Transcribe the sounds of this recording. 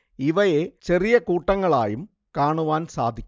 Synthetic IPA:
iʋɐjet͡ɕe̞rijɐkuːʈːɐŋːɐɭa̰ːjum | kaːɳuʋaːnsa̰ːd̪ʱikʲː

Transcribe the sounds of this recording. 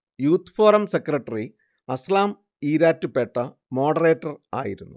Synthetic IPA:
juːt̪ʰfoːrɐmsekrɐʈːɐri | ɐslaːm | iːɾaːtːupeʈːɐ | mo̞ːɖɐreːʈːɐra̰ːjiɾunːu

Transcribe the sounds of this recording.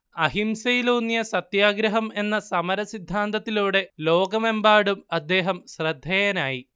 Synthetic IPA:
ɐɦimsɐjiloːnːjɐsɐt̪jaːɡɾɐɦɐme̞nːɐsɐmɐɾɐsid̪ʱːaːnd̪ɐt̪ːiluːɽe̞lo̞ːɡɐme̞mbaːɽumɐd̪ːe̞ːɦɐmɕrɐd̪ʱːejɐnaːji

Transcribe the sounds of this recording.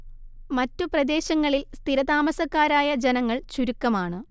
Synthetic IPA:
mɐtːuprɐd̪e̞ːɕɐŋːɐɭilst̪iɾɐd̪aːmɐsɐkːaːɾaːjɐd͡ʑenɐŋːɐɭt͡ɕuɾukːɐmaːɳɨ

